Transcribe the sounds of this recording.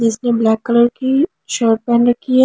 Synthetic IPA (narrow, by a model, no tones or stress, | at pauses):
d͡ʒɪsneblæːkːɐləɾki | ʃɔːɾʈ̚bɛ̃ːɳɖəkʰiɛ